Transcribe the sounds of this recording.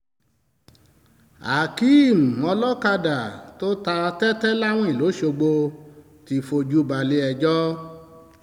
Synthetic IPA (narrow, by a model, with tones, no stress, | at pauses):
a̰˨ki˨˦i˦˨mũ˨ɔ˧lɔ˦ka˧da˨to˦ta˧tɛ˦tɛ˦la˦w̃ɔ̃˦i˨lo˨˦ʃo˧ɡ͡bo˧ | ti˧fo˧d͡ʒu˦ba˧˨le˧ɛ˧˨d͡ʒɔ˦